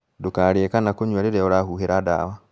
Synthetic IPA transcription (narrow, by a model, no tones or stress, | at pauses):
dokaɾekanakoɲwaɾeɾɛɔɾahuheɾada̰wa